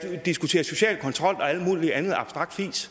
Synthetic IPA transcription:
d̥isɡ̥ut͡sʰe̝ːɐso̝ɕɛ̰ːlkʰɒ̽nt͡sʰʁɒ̽l̰ɒ̽æl̰d̥mṵːliænð̞̩ˠɑ̈b̥sd̥ʁɑ̈ɡ̥̚d̥fḭːs

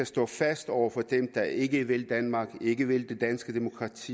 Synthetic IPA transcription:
æsd̥ɔ̰̽ːfæsd̥ɒʊɐfɒ̽d̥emd̥ɑ̈e̝ɡ̥əʋe̝ld̥ænmɑ̈ːɡ̥e̝ɡ̥əʋe̝ld̥e̝d̥ænsɡ̥əd̥e̝mo̝kʰʁɑ̈t͡sʰḭː

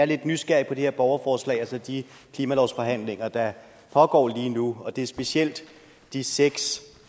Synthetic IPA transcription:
æɐle̝d̥nysɡ̥æɐipʰɒ̽d̥e̝heɐ̰b̥ɒʊɐfɒːslɛ̰ɪælsɒ̽d̥i | kʰliːmælɒʊsfɒ̽ɦæn̰le̝ŋɐd̥ɑ | pʰɒ̽ɡ̥ɒ̰ːliːnuɒ̽d̥e̝ɐsb̥e̝siel̰d̥ː | iseɡ̥s

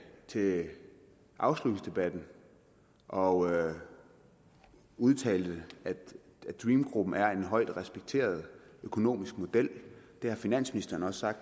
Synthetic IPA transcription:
t͡sʰe̝ | ʔɑ̈ʊslud̥̩sd̥e̝b̥æd̥n̩ | ʔɒ̽ | uð̞ˠt͡sʰɛ̰ːld̥əæ̥ | æd̥ʁiːmɡ̥ʁub̥n̩æɐe̝nɦɒ̽ɪ̰d̥ʁɛsb̥eɡ̥̚t͡sʰe̝̰ːɐð̞̩ˠøkʰo̝no̝̰ːmisɡ̥mo̝d̥el̰d̥e̝hɑ̈finæn̰sminisd̥ɐːnɒ̽ssɑ̈ɡ̥d̥

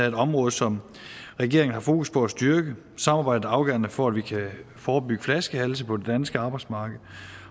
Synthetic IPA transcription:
æɐe̝d̥ɒ̽mʁɔ̽ːð̞̩ˠsɒ̽m | ʁɛɡ̥e̝ɐ̰eŋn̩hɑ̈fo̝ːkuspʰɒ̽æsd̥yɐɡ̥ə | sɑ̈mɑ̈ːb̥ɑ̈ɪd̥̩ɑ̈ʊɡ̥œ̰ɐnəfɒæd̥ʋikʰæ | fɒːb̥yɡ̥ə̥flæsɡ̥əhæls̬əpʰɒ̽de̝d̥ænsɡ̥əɑ̈ːb̥ɑɪdsmɑ̈ːɡ̥əð̩ˠ

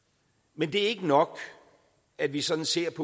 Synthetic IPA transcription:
mend̥e̝æɐe̝ɡ̥ənɒ̽ɡ̥ | æd̥ʋisɒ̽d̥n̩se̝ɐ̰pʰɒ

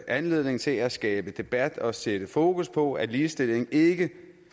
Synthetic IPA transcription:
ʔænle̝ð̞̰ˠne̝ŋt͡sʰe̝læsɡ̥ɛːb̥əd̥e̝b̥æd̥ɒ̽sed̥əfo̝ːkuspʰɒ̽æliːsd̥e̝l̰e̝ŋe̝ɡ̥ə

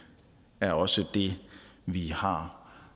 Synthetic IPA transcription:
æɐɒ̽səd̥e̝ʋihɑ̈

